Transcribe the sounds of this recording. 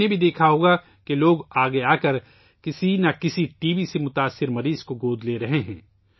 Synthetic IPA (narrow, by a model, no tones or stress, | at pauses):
ebʱid̪eːkʰaɦoɡa | keloːɡaːɡeaːkɐɾ | kɪsinakɪsiʈiːʋisemʊt̪aːsːɪɾmɐɾiːz̥koɡoːd̪leɾɐɦeɦɛ̰̃ː